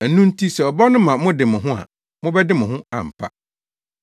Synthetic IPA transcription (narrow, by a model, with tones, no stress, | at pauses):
æ˨nũ˦n̩˦tʰi˦sɛ˨ɔ˨bɔ˦nʊ̃˦mã˨mʊ̃˦dɪ˨mʊ̃˨ɦʊ̃˦a̰˨ | mʊ̃˦bɛ˦dɪ˦mʊ̃˨ɦʊ̃˦a̰˨m̩˨pʰa̰˦